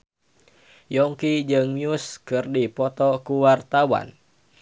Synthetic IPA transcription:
jɔŋkid͡ʒɨŋmiuskɨrdipɔt̪ɔkuwart̪awa̰n

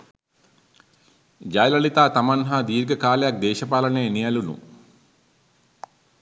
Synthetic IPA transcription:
d͡ʒɐjlɐlit̪aːt̪ɐmɐnɦɐd̪iːɾɡɐkaːljak̚d̪eːʃɐpaːlɐnenijɐlunṵ

